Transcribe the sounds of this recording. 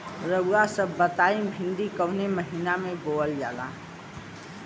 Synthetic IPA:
ɾəɡasəbːət̪aːĩbʱɪ̃nd̪ikəʊneməɦinamẽboːəld͡ʒa̰ːlã̰ː

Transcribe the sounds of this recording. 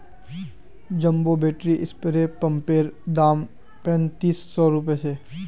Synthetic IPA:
d͡ʒɐ̃mbobeːʈɾiʔɪspəɾepɐ̃mpeːɾd̪aːm | pɛ̃nt̪iːsːɔːɾʊp̬esʰeː

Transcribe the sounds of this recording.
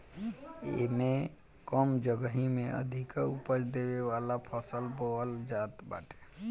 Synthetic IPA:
ḛme | kəmd͡ʒəɡəɦimeʔə̰d̪ʱikəupət͡ʃd̪ebeʋalapʰəsəlboəld͡ʒat̪ba̰ʈe̥

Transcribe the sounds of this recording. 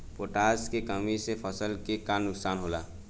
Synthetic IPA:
poʈaːskekəmisepʰəsəlkekanːʊksaːnɦolaː

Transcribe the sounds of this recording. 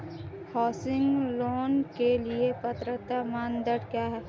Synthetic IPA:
hɔːsɪ̃ŋɡloːnkeliepɐt̪ɾət̪amaːnd̪əɽkjaːɦɛː

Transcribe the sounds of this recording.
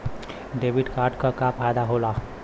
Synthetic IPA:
ɖeːʋɪɖkaːɾɖkakapʰaːjd̪aɦolaː

